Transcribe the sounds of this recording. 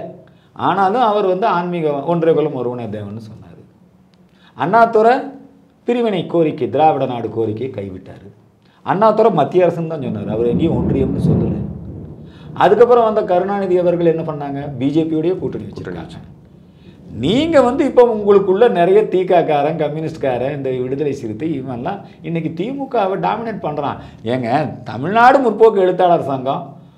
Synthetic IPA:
ʔa̰ːnaːlɯ̃ɐʋɐɾʋɐnd̪ɯaːɳmɪɣɐɔɳdreːkɔlɐmɔɾɯʋɐɳɐd̪ɐːʋɐnːɯsɔnːa̰ːɾɯ | ɐnːaːt̪ːɯɾɐ | pɪɾɪʋɪɳɐɪkːoːɾɪkːɯd̪ɪɾaːʋɪɽɐnaːɽɯkoːɾɪkːɐjkɐɪʋɪʈːa̰ːɾɯ | ɐ̰nːaːt̪ːɯɾɐmɐt̪ːɪjɐɾɐsɐmt̪ãːt͡ʃɔnːaːɾɯɐʋɐɾɛŋɡɪj̃ɔɳdrɐjɐmnɯsɔlːɐ̰lḛ | ɐ̰ðɯkːɐpːɯɾɐ̃ʋɐnd̪ɐkɐɾɯnaːnɪðɪɐʋɐɾɣɐɭɛnːɐpɐɳːaːŋɡɐbiːd͡ʒeːpijɯɽɐjɐkuːʈːɐɳɪʋɐkuːɾʈːɐka̰ːt͡ʃːa̰ːŋɐ | niːŋɡɐʋɐnd̪ɯɪpːoːʊŋɡɐɭɯkːɯɭːɐnɪɾɐjɐt̪iːkːaːkaːɾɐ̃kɐmjʊnɪsʈkaːɾɐ̃ɪnd̪ɐʋɪɽɯðɐlɐt͡ʃːɪɾɯt̪ːɯɪmɐllːãː | ɪnːɛk̬ːit̪iːmukːaːʋɐɖaːmɪnɛʈpɐɳːɾã̰ː | eːŋɡɐt̪ɐ̰mɪɻnaːɽɯmʊrpoːkːɯɛɻɯt̪ːaːɭɐɐɾɐsaːŋɡɐ̃

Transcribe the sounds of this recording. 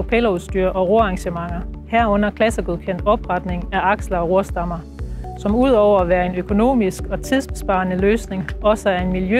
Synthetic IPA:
opʰelɐuðˠsd̥yːɐʔɒ̽ʁo̝ɐɑ̈ŋɕəmɑ̈ŋ̰ɐhæɐ̰ɔ̽n̰ɐkʰlæsəɡ̥uðˠkʰen̰d̥ɒ̽b̥ʁɑd̥ne̝ŋæɑ̈ɡ̥slɐɒ̽ʁo̝ɐsd̥ɑ̈mɐ | sɒ̽muð̞̰ˠɒʊ̰ɐæʋæːɐe̝nøkʰo̝no̝̰ːmisɡ̥ɒ̽t͡sʰiðˠsb̥esb̥ɑ̈ːnəløːsne̝ŋɒ̽səæɐe̝nmiljø

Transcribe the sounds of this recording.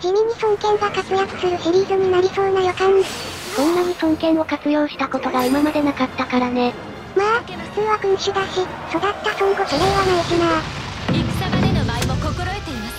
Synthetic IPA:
d͡ʑimʲĩɲ̟ːisõ̞ŋkẽ̞ŋɡakat͡sɨjakɯ̟̥sɨɾɯ̟ɕiɾʲiːzɨɲ̟inaɾʲiso̞ːnajokãnd̪esõ̞nːaɲ̟isõ̞ŋkẽ̞ɰ̃o̞kat͡sɨjo̞ːɕi̥t̪akot̪o̞ɡaimamad̪e̞nakat̪ːakaɾane̞ | ma | sɨːβakɯ̟ɲiɕid̪aɕi | so̞d̪at̪ːasõŋɡosoɾeβanaeɕinaiksamad̪enobaimokokoɾoet̪e

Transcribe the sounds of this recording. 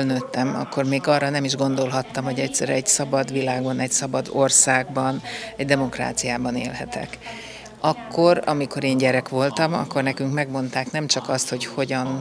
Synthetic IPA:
lnøːt̪ːɛmɒ̰kːo̞rmeːɡɒrːɒnɛmiʒɡo̞nd̪o̞lɦɒt̪ːɒmho̞ɟɛcsɛɾɛɟsɒbɒd̪ʋilaːɡbɒnɛcsɒbɒd̪orsaːɡ̚bɒnɛɟd̪ɛmo̞kra̰ːt̪sijaːbɒnḛːlɦɛt̪ʰɛ̰k | ɒkːo̞ɾɒ̰miko̞ɾeːɲɟɛɾɛkʋo̞lt̪ɒmɒ̰kːo̞rnɛkyŋkmɛɡmo̞nt̪aːknɛmt͡ʃɒkɒst̪ho̞cho̞ɟɒn

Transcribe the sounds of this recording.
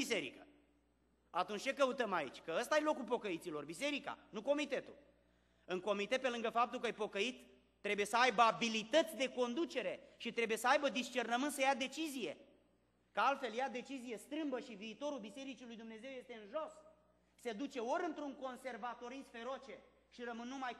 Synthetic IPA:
ise̞ɾḭkə̰ | at̪unt͡ʃʲt͡ʃe̞kəut̪əmaḭt͡ʃʲkəəst̪aajelo̞kulpo̞kəit̪silo̞rbise̞ɾika̰nuko̞mit̪e̞t̪ul | ɨŋko̞mit̪et̪pe̞lɨŋɡəfap̚t̪ulkəjepo̞kəit̪ː | ɾe̞buje̞səajbəabilit̪ət̪sʲd̪e̞ko̞nd̪ut͡ʃe̞ɾe̞ʃit̪ɾe̞buje̞səajbəd̪ist͡ʃe̞rnəmɨnt̪səjad̪e̞t͡ʃizije̞ | kəalt̪fe̞ljad̪e̞t͡ʃizije̞st̪ɾɨmbəʃiviːt̪o̞ɾulbise̞ɾit͡ʃilujd̪umne̞ze̞wje̞st̪e̞ɨnʒo̞s | se̞d̪ut͡ʃe̞o̞ɾɨnt̪ɾuŋko̞nse̞rvat̪o̞ɾisfe̞ɾot͡ʃe̞ | ʃiɾəmɨnːumaj

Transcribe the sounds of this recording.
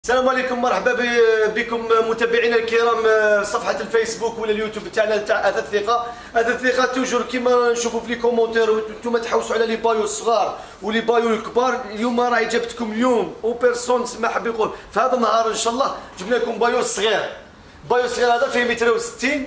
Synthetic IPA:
sælæmʕlikʊmːɑɾˤħbæbikʊmmʊt̪æbiʕinælkəɾæmsˤɑfħɑt̪lfæsbukwəlːæljut̪ubt̪aʕnæt̪aʕʔæd̪æθiqɑ | hæd̪æθiqɑt̪uwʒəɾkimænʃufuflikomɑ̃t̪eɾwnt̪umæt̪ħawːsuʕlælibɑjusˤːɣɑɾˤ | wlibɑjulkbɑɾˤljumːæɾˤɑħjd͡ʒæbət̪kʊmljumwpəɾsunt̪əsmaħabːiqʊnfihæd̪ənːhɑɾˤənʃɑlˤːɑʒəbnækʊmbɑjuɾsˤɣiɾ | bɑjuɾsˤɣiɾhæd̪æfihmət̪ɾiwsə̥t̪ːin

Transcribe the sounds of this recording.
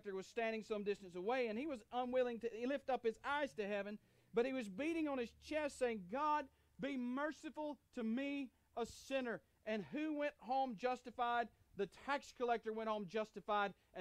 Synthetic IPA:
k̚tə˞wʌz̥stæ̃ndɪ̃ŋsʌ̃mdɪstɨ̃n̩səweɪɨ̃niwʌzə̃nwɪlˠɪ̃ŋtɨilɪftʌp̚ɨzaɪz̥tɨhɛvɨ̃n | b̥ʌt̚hiwʌzbiɾɪ̃ŋə̃nɨz̥t͡ʃʰɛstseɪɪ̃ŋɡɑd̚ | bimɜ˞sɨfl̩ˠtʰɨmi | əsɪ̃nə˞ | ʔɨ̃nʉwɛ̃nʔɦõʊ̃md͡ʒʌstɨfaɪd̪̚ | ðɨtʰækskʰəlɛk̚tə˞wɛ̃nt̚hõʊ̃md͡ʒʌstɨfaɪɾ | ɨ̃

